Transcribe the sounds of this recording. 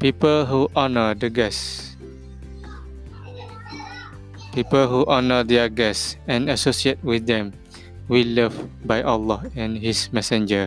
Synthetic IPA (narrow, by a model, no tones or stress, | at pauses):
pipəlɦuʔɔnədəɡɛs | pipəlɦuʔɔnədɛɡɛsɛ̃nasosiet̚wiθdɛ̃m | wiləvbajʔalɔɛ̃nhismɛsɛ̃nd͡ʒə